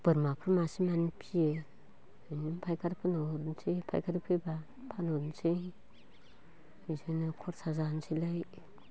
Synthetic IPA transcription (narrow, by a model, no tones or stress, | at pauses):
b̥ɯɾmapʰɾmasimanpʰie | animpʰajkʰaɾpʰɯnoɾnsʰipʰa̰jkʰaɾipʰɯba | pʰanoɾnsi | mizanɯkʰɔɾsazansʰilaj